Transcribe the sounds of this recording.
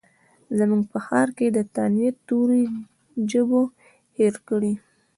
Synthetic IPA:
zəmuŋɡ̚pəxɑɾked̪ət̪anjet̪ːoɾi | d͡ʒəbo | heɾkəɽi

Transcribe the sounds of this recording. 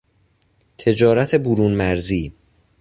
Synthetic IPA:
t̪ʰe̞d͡ʒɒːɾæt̪ʰe̞buɾuːnmæɾziː

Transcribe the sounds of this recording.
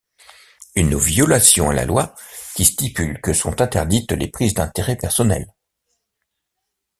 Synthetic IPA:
ynvjɔlasjɔ̃a̰la̰lwakʲist̪ipylkəsɔ̰̃t̪ɛ̃t̪ɛʁd̪it̪lepχizd̪ɛ̃t̪eʁɛpɛʁsɔnɛ̰l

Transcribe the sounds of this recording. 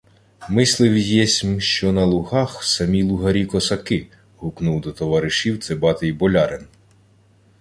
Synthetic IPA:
mɪslˠɪwʲijjɛsʲmʃt͡ʃɔnɐlˠʊɦɑxsɐmʲilˠʊɦɐɾʲikɔsɐkɪ | ɦʊknuwd̪ɔt̪ɔʋɑɾɪʃiwt̪sɛbɑt̪ɪjbɔlʲɑɾɪn

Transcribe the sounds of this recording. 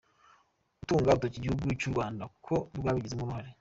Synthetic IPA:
utuːŋɡautociɟihuɡujicuɾɡwaːndakukʰo̞twaːβiɟizemuɾuhaɾe

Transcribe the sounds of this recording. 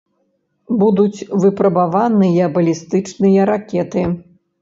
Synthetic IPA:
bud̪ut͡sʲvɨpɾɐbavanɨjɐbɐlʲist̪ɨt͡ʂnɨjɐɾakʲɛt̪ɨ

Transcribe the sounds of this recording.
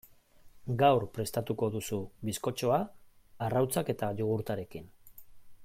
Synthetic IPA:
ɡawɾpɾe̞st̪at̪uko̞ðusuβisko̞t͡ʃo̞aː | rawt͡sake̞t̪aʎuɣ̞uɾt̪aɾe̞kin

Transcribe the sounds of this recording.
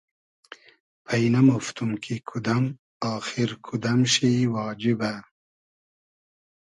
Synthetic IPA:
pʰɐinɐmuft̪umkʰikʰud̪ɐm | ɑːxiɾkʰud̪ɐmʃiwɑːd͡ʒiba

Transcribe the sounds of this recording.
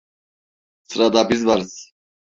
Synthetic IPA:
sɾad̪abizvaɾs

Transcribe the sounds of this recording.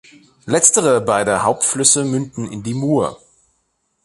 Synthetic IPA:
lɛt͡stəʁəbaɪdəhaʊp̚tflʏsəmʏndn̩ɪndiːmuːɐ

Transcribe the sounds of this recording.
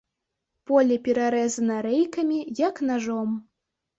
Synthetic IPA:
pɔlʲɛpʲɛɾaɾɛzɐnɐɾɛjkɐmʲijaknaʐɔm

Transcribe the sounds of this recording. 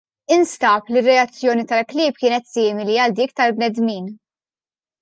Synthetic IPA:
ɪnst̪ɐplirːɛɐt͡sːjɔːnit̪ɐlklɪːp̚kɪːnɛt̪sɪːmɪliɐld̪iːk̚t̪ɐlbnɛd̪miːn

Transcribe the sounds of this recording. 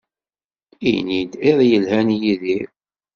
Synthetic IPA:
ḭjnid̪ɪðˤjəlhænjiðiɾ

